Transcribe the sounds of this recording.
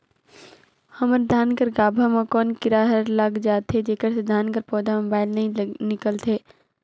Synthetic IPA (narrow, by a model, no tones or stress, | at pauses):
hɐməɾd̪ʱaːnkəɾɡaːbʱamakɔːnkɪɾaːɦəɾləɡd͡ʒaːt̪ɦed͡ʒeːkəɾsed̪ʱaːnkəɾpɔːd̪amobaːɪlnɐɦĩnɪkəlt̪ʰeː